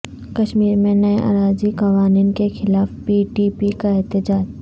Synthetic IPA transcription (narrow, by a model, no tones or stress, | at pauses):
kɐʃmiːɾmẽnɐeʔa̰ɾaːzikɐʋaːniːnkexɪlaːfpiːʈiːpikaɛɦt̪ɪd͡ʒaːd͡ʒ